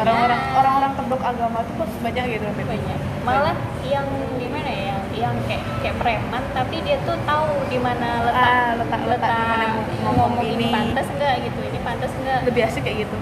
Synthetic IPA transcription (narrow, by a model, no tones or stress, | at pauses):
oɾaŋoɾaŋoɾaŋoɾaŋt̪ədɔkaɡamat̪ukusbaɲak̚ɡit̪utabaɲak̚ | maala | jaŋ | dimanajaŋjaŋkaʔkajapəɾemant̪apidiat̪ut̪audimanaləaalət̪a̰ʔlət̪aaaa | məŋomɔiinipantt̪asŋɡaʔɡit̪uinipant̪asŋɡaʔləbiɦasikajaʔɡit̪u